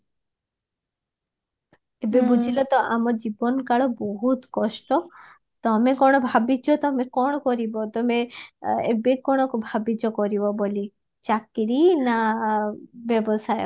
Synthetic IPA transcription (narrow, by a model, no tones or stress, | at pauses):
ebebud͡ʒʱilɔt̪ɔʔamɔd͡ʒibɔnkaɭɔbɔɦut̪kɔsʈɔ | t̪ɔmekɔɽ̃ɔbʱabid͡ʒɔt̪ɔmekɔɽ̃ɔkɔɾibɔt̪ɔmeḛbekɔɽ̃ɔkbʱabid͡ʒɔkɔɾibɔboli | t͡ʃakɾina | bɔbɔsae